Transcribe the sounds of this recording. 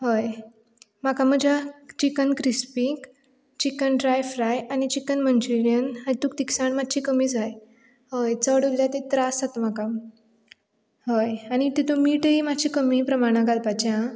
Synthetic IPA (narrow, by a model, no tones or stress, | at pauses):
ɦəj | m̤akam̤əd͡ʑʱat͡ɕikənkɾispik | t͡ɕikənɖɾajfɾajaɽ̃it͡ɕikənmənt͡ɕɾiɾijənañit̪uːk̚t̪iksaɳmat̪̚ːɕʰikəmid͡zaj | həjt͡səɽoljat̪ẽt̪ɾasat̪m̤akã | ɦəjaɽ̃it̪it̪omiʈəimat͡ɕʰikəmipɾəmaɽ̃ãɡʱalpat͡ɕã